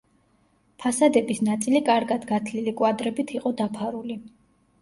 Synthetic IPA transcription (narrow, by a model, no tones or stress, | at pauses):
pʰasad̪ɛbisnat̪sʼilikʼaɾɡad̪ɡat̪ʰlilikʼwad̪ɾɛbit̪ʰiqʼɔd̪apʰaɾuli